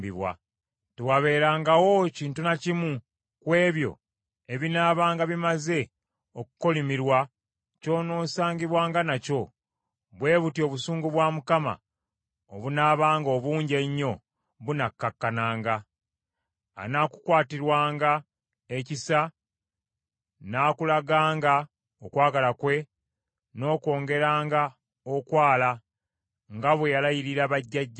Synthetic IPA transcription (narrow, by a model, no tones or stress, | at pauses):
biβwa̰ | tewaβe̞ːɾaːŋɡawo̞ciːntunacimu | kwe̞ːβjo̞̰ | eβinaːβaːŋɡaβimaze̞ | oku̥ko̞limiɾwa | co̞ːno̞ːsaːɲɟiβwaːŋɡanaco̞ | βwe̞ːβutio̞ːβusuːŋɡuβwamukama̰ | oβunaːβaːŋɡo̞βuːɲɟe̞ɲːo̞ | βunakːakːanaːŋɡa | naːku̥kwaːtiɾwaːŋɡa | ecisa | naːkulaɡaːŋɡa | okwaːɡalakwe̞ | no̞ːko̞ːŋɡe̞ɾaːŋɡa | okwaːla | ŋɡaβwejalajiɾiɾaβaɟːaɟː